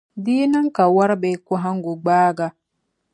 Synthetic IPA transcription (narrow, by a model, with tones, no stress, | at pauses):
diː˦nɐ˦ŋka˨wa˦ɾbe˨kʊ˦ɦa˦ŋɡo˨ɡ͡baː˦ɡa˨